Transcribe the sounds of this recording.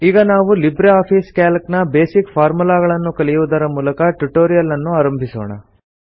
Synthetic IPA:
iːɡɐnaːʋulibɾeaːpʰiːskaːlknɐbe̞ːsikfʰaːɾmulaːɡɐɭɐnːukɐlijuʋud̪ɐɾɐmuːlɐkɐʈuʈo̞ːɾijɐlɐnːuaːɾɐmbʱiso̰ːɳɐ̰

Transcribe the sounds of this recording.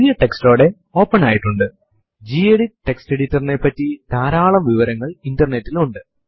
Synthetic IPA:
uðijɐʈeksto̞ːɽe̞ | o̞ːpːɐnaːjiʈːuɳɖɨ | d͡ʑiːeɽiʈːe̞ksteɽitːɐrnepːɐtːit̪aːɾaːɭɐmʋiʋɐɾɐŋːɐɭindɐrnetːiluɳɖɨ

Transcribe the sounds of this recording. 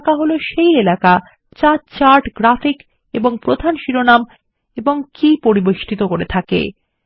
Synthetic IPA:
kaɦoloʃejelaka | t͡ɕat͡ɕaɾʈɡɾafik | eboŋpɾod̪ʱanʃiɾonam | eboŋkipoɾiboʃʈʰit̪okoɾet̪ʰakḛ

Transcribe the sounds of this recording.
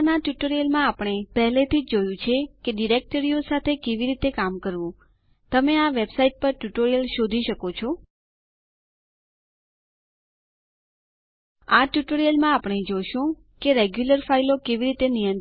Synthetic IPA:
naʈjuʈoɾijəlmãapɳ̃epɛɦlet̪ʰid͡ʒd͡ʒojũt͡ʃʰekeɖiɾek̚ʈəɾijosat̪ʰekeʋiɾit̪ekamkəɾʋũ | t̪əmeaʋebsaiʈ̚pəɾʈjuʈoɾijəlʃod̪ʱiʃəkot͡ʃʰɔ | aʈjuʈoɾijəlmãapɳ̃ed͡ʒoʃũ | keɾeɡjuləɾfailokeʋiɾit̪enijə̃n

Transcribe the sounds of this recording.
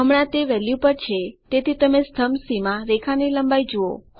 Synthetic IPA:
əmɳãt̪eʋɛljupəɾt͡ʃʰet̪et̪ʰit̪əmest̪ʰəmsimãɾekʰaniləmbajd͡ʒuo̰

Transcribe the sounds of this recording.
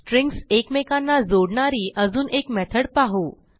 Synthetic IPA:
ʈɾiŋɡsekmekanːad͡zoɽɳaɾiːʔəd͡zuːnekmɛt̪ʰəɽpaɦu

